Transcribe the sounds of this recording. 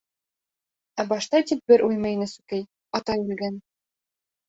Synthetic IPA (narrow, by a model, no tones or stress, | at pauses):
æbɑʃt̪ɑt̪ip̚bɘɾʔujmɤ̆jnɘsʉkɘj | ɒt̪ɑjʉlɡæn